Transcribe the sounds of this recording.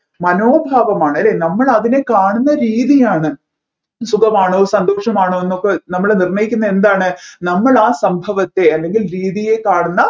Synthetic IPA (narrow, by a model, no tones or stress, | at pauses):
mɐnoːbʱaːʋɐmaːɳɨɐlːeːnɐmːɐɭɐðine̞kaːɳunːɐɾiːðijaːɳɨ | sukʰɐmaːɳoːsɐnd̪o̞ːʂɐmaːɳoːenːokːenɐmːɐɭenirɳɐjikʲːunːɐe̞nd̪aːɳɨnɐmːɐɭaːsɐmbʱɐʋɐt̪ːe̞ɐlːe̞ŋɡilɾiːðije̞kaːɳunːɐ